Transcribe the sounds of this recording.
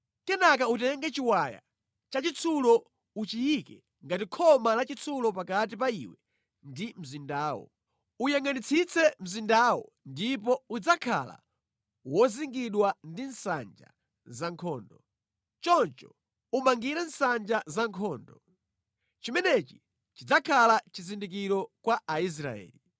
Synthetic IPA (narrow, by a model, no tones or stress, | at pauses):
kɛnak̬autɛŋɡɛt͡ʃiwaja̰ | t͡ʃat͡ʃit͡sʰulɔ | ut͡ʃijikɛ | ŋɡatikʰɔmalat͡ʃit͡sʰulɔpakat̬ip̬aiwɛ | ndim̩zindaːwɔ̰ | ujɛŋɡanit͡sʰit͡sʰɛm̩zindaːwɔ | ndip̬ɔud͡zakʰa̰la̰ | wɔziŋɡiɗwandinsa̰nd͡ʒa̰ | zaŋkʰɔːndɔ | t͡ʃɔnt͡ʃɔ | umaŋɡiɾɛn̩sand͡ʒazaŋkʰɔːndɔ | t͡ʃimɛnɛt͡ʃi̥ | t͡ʃid͡zakʰalat͡ʃizindik̬iɾɔkwaʔais̬ɾa̰ɛ̰ːli